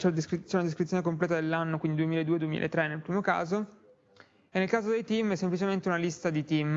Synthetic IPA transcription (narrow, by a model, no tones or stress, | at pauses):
t͡ʃɛlad̪est͡ʃɛunad̪eskɾit̪ːjonekomplɛːt̪ad̪elːanːokwind̪id̪uemiled̪uːed̪uemḭla̰et̪ːɾenːelpɾiːmoka̰ːzo | enːelkaːzod̪ejt̪imɛsːemplit͡ʃement̪eunalist̪ad̪it̪im